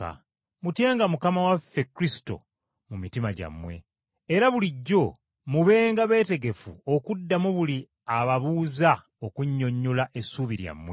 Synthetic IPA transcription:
a̰ | mutje̞ːŋɡamukamawafːe̞kɾisi̥to̞̰ | mumitimaɟa̰mːwe̞̰ː | ɾaβuliɟːo̞ | muβe̞ːŋɡaβe̞ːte̞ɡe̞fuokudːamuβuli | aβaβuːza | okuɲːo̞ɲːolaʔe̞suβiɾja̰mːwe

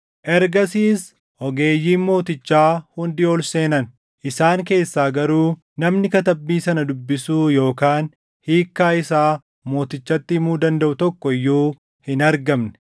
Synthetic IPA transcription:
ʔɛɾɡɐsiːs | ɔɡe̞ːjːiːnmo̞ːt̪ɪt͡ʃːaːhʊnd̪ɪoːlse̞ːnɐn | ʔɪsaːŋke̞ːsːaːɡɐɾuː | nɐmnɪkɐt̪ɐbːiːsɐnɐd̪ʊbːɪsuːjo̞ːkaːn | hiːkːaːɪsaː | mo̞ːt̪ɪt͡ʃːɐt̪ːɪmuːd̪ɐnd̪ɐʔʊt̪ɔkːɔɪjːuː | hɪnɐɾɡɐmnɛ̥

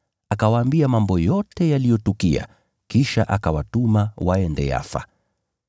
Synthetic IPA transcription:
akawaːmbiamambɔjɔtɛjalijɔtukia̰ | kiʃaʔakawatumawaɛndɛ̰ja̰fa̰

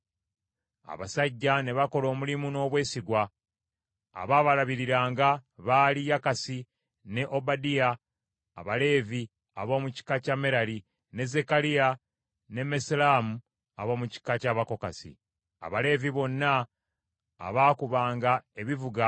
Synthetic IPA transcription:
a̰βa̰saɟːane̞βako̞lo̞ːmulimuno̞ːβwe̞ːsiɡwa | βaːβalaβiɾiɾaːŋɡaβaːlijakasi | ne̞ʔo̞badija̰ː | βale̞ːvi | a̰βo̞ːmuci̥kacame̞ɾali | ne̞ze̞kalija | ne̞meslaːmu | a̰βo̞ːmuci̥kacaβako̞kasḭ | a̰βale̞ːviβo̞nːa̰ː | βaːkuβaːŋɡae̞βivuɡa

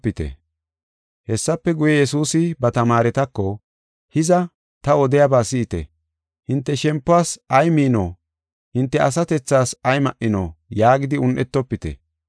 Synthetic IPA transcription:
pːɪt̪ɛ̰ | hɛsːɐpːɛɡʊjɛjɛsuːsɪbɐt̪ɐmaːɾɛt̪ɐkːɔ | hɪzɐ | t̪ɐɔd̪ɛjabaːsɪɪt̪ɛ̰ | hɪnt̪ːɛʃɛmpːʊaːsɐjmiːno̰ː | hɪnt̪ːɛʔɐs̬ɐt̪ɛt͡sːaːsɐjmɐʔːɪno̰ːjaːɡɪd̪ɪʊnʔɛt̪ːɔpːɪt̪ɛ̰

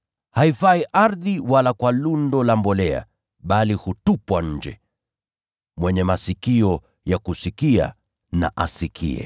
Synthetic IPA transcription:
haifaiʔaɾðiwalakwalundɔlambɔlɛa̰ | ɓalihutupwaɲ̩d͡ʒɛ̰ | mwɛɲɛmasikiɔ | jakusikia̰ | na̰ʔasikʰḭɛ̰

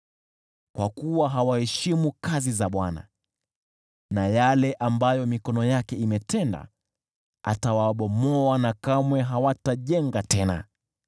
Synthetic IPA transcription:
kwakuwaɦawahɛʃimukazizaɓwana̰ | najalɛʔambajɔmikɔnɔjakɛimɛtɛnda̰ | a̰tawaɓɔmɔanakamwɛɦawataʄɛŋɡatɛna̰

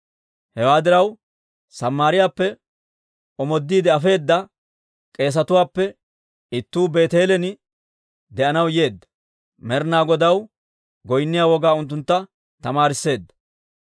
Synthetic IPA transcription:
hɛwaːd̪ɪɾɐw | sɐmːaːɾɪjaːpːɛ | ʔɔmɔd̪ːiːd̪ɛɐfe̞ːd̪ːɐ | kʼe̞ːs̬ɐt̪ʊwaːpːɛ | ɪt̪ːuːbe̞ːt̪e̞ːlɛnɪ | d̪ɛʔɐnɐwje̞ːd̪ːɐ̥ | mɛɾnaːɡɔd̪ɐw | ɡɔjnːɪjaːwɔɡaːʊnt̪̬ːʊnt̪ːɐ | t̪ɐmaːɾɪsːe̞ːd̪ːɐ̥

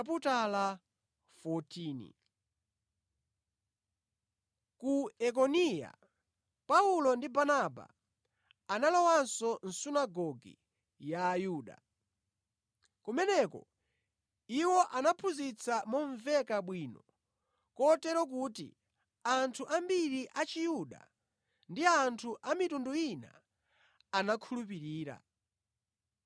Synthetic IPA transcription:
putala | fɔtʰiːnḭ | kuɛk̬ɔnija̰ | paulɔndibanaba̰ | analɔwansɔn̩sunaɡɔɡḭ | jaːjuːɗa̰ | kumɛnɛkɔ̰ | iwɔʔanapʰuzit͡sʰamɔɱvɛkaɓwiːnɔ | kɔtɛɾɔk̬uːtḭ | antʰuʔambiɾiʔat͡ʃijuɗa̰ | ndiantʰuʔamitunduina̰ː | nakʰulup̬iɾiːɾa̰

